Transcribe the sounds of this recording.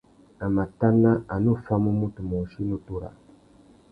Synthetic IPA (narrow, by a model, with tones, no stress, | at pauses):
a˨ma˨ta˦nːa˦a˨nu˦˨fa˦mu˦mu˦tu˨mɔ˨ʃi˦nu˦tu˦ɾa̰˨